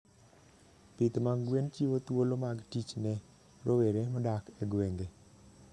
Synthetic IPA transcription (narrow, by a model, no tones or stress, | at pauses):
pit̪maŋɡwent͡ʃiwot̪wolomaɡtit͡ʃnɛ | ɾoweɾemɔdakɛɡweŋɡe